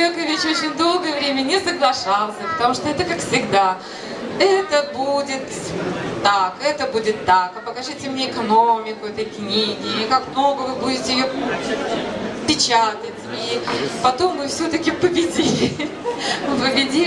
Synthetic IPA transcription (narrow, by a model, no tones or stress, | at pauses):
ekəvʲet͡ɕot͡ɕɪnʲd̪o̞lˠɡəjəvɾʲemʲənʲɪsəɡlˠɐʂɑlˠsʲəpə̥t̪ɐmuʂt̪oɛt̪əkakfsʲɪɡd̪a | ɛt̪əbudʲɪt̪t̪ːakɛt̪əbudʲɪt̪ːakɐpəkɐʐɨtʲɪmnʲeɪkɐnomʲɪkʊɛt̪əjknʲiɡʲɪkakmno̞ɡəvɨbudʲɪtʲɪjɪjopuɪpʲɪt͡ɕat̪ətʲipɐt̪o̞mːɨfsʲot̪əkʲɪpəbʲɪdʲilʲɪ | ɨpəbʲɪdʲi